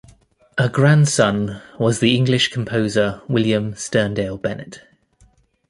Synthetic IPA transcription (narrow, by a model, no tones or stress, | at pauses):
ʔəɡɹãnd̥sʌ̃nwɒzðiɪ̃ŋɡlɪʃkʰə̃mpʰəʊzəwɪljə̃mstɜːndeɪlˠbɛnɪ̰t